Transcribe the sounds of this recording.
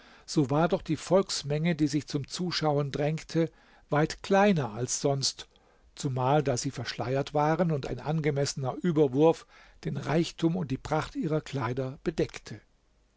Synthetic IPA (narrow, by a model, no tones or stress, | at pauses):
z̥oːvaːɐdɔχd̥iːfɔlksmɛŋədiːzɪçt͡sʊmt͡suːʃaʊəndʁɛŋktʰə | v̥aɪtkl̥aɪnɐalsz̥ɔnst | t͡sumaːldaːziːfɛɐʃlaɪɐtv̥aːʁənʊnta̰ɪnʔanɡəmɛsənɐʔyːbɐvʊɐf | d̥eːnʁaɪçtʰuːmʊnt̚d̥iːpʁ̥aχtʔiːʁɐkl̥aɪdɐb̥ədɛktʰə